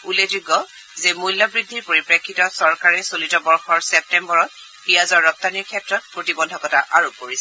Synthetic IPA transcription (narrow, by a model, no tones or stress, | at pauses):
uled͡ʒuɡɔ | zemujlːɔbɹidʱːiɹpoɹipɹekʰːitɔsɔɹkaɹɛsolitɔbɔɹxɔɹsɛp̚tɛmbɔɹɔt̚ | xijazɔɹːɔp̚tanikʰjɛtɹɔt̚pɹotibɔndʱɔkɔtaʔaɹop̚koɹisɛ